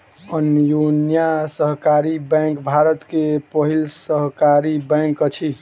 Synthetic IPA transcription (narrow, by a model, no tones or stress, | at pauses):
ənjonjasəɦkaɾibɛ̃ŋkbʱaɾət̪kepəɦilsəɦkaɾibɛ̃ŋkət͡ʃʰi